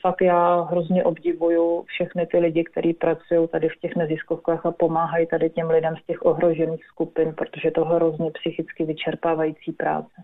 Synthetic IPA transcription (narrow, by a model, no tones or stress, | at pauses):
fakt̪jaːɦɾo̞zɲɛʔo̞bɟɪvujufʃɛxnɪt̪ɪlɪɟɪkt̪ɛɾʔiːpɾʔat͡sujo̞wt̪adɪfcɛxnɛzɪskofkaːxapo̞maːɦajit̪adɪcɛmlɪdɛmscɛxʔo̞ɦɾo̞ʒɛniːxskupɪnpɾot̪o̞ʒɛt̪oɦɛɾozɲɛpsɪxɪt͡skɪvɪt͡ʃɛɾpaːvajiːt͡siːpɾa̰ːt͡sɛ